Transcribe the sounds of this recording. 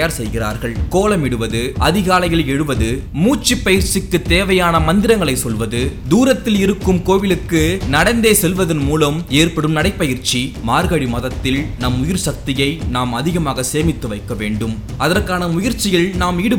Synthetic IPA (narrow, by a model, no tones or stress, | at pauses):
jaːɾsɛjɣɪra̰ːɾɣɐɭkoːlɐmɪɽɯʋɐðɯʔɐðɪɣaːlɐjɪlɛɻɯʋɐðɯmuːt͡ʃːipːɐjɪɾt͡ʃɪkːɯt̪ːeːʋɐjaːnɐmɐnd̪ɪɾɐŋɡɐɭɐɪsɔlʋɐðɯd̪uːɾɐt̪ːɪlɪɾɯkːɯmkoːʋɪlɯkːɯnɐɽɐnd̪eːsɛlʋɐðɐnmuːlɐmeːrpɐɽɯmnɐɽɐɪpːɐjɪɾt͡ʃimaːɾɣɐɽimɐðɐt̪ːɪlnɐmʊjɪɾsɐk̚t̪ɪjɐɪnaːmɐðɪɣɐmaːɣɐseːmɪt̪ːɯʋɐɪkːɐʋḛːɳɖɯm | ɐðɐrkaːnɐmʊjɪɾt͡ʃːɪjɪlnaːmɪɽɯ